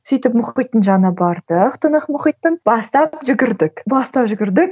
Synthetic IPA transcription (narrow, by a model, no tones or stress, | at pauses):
sijt̪ɪpmʊχijt̪ːənʒɑnəbɑɾd̪̥əqt̪ʰənəqmʊχijt̪ːənb̥ɑst̪ɑppʒʏɡʲɪɾd̪ɪkbɑst̪ɑpʒʏɡʲɪɾd̪ɪk